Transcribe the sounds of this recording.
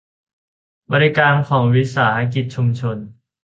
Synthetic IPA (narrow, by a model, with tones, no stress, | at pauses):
bɔː˧ɾi˦˥kaː˧nkʰɔː˩˦ŋwi˦˥saː˩˦ha˧˥k̬i˨˩t̪̚t͡ɕʰu˧mt͡ɕʰo˧n